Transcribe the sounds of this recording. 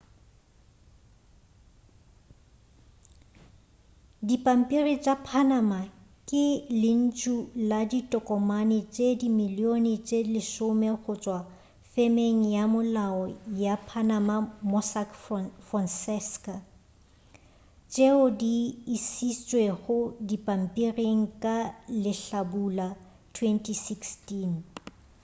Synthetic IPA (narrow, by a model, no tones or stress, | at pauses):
dipʼam̩pʼirit͡ʃʼapʰanama | kʼɪlɪn̩t͡ʃʼuladitʼɔkʼɔmanɪt͡ʃʼedimilionɪt͡ʃʼelɪʃʊmeɣʊt͡ʃʼwa | femeŋ̩jamʊlaɔjapʰanamamɔsakfansɛska | t͡ʃʼeʊdiːsist͡ʃʼweɣʊdipʼam̩pʼireŋ̩kʼalɪɬabula | tʰwɛntʼisikstin